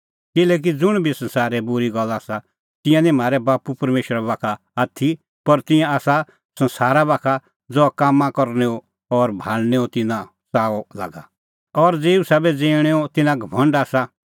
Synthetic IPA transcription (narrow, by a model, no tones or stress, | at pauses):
kɪlɛːk̬id͡zʊɽ̃bʱisɐ̃nsaːɾɛbʊɾiɡɔlːaːsa | t̪ɪ̃jãnĩm̤aːɾɛbaːpupɐɾmeːʃəɾabaːkʰaːt̪ʰi | pɐɾt̪ɪ̃jãaːsa | sɐ̃nsaːɾabaːkʰa | d͡zɔkaːmːãkɔɾnɛo | ɔɾbʱaːlnɛot̪ɪnã | saːɔla̰ːɡa | ɔɾd͡zeːusabɛd͡zẽːɽ̃ɛot̪ɪnãɡʱɐbʱɐ̃ɳɖaːsa